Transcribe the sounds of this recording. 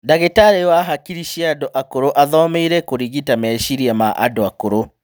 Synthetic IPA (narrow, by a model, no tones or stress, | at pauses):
daɣetaɾewaɦakiɾiʃieadoʔakoɾoʔaðɔmeiɾɛkoɾiɣitamɛʃiɾiamaʔa̰doakoɾo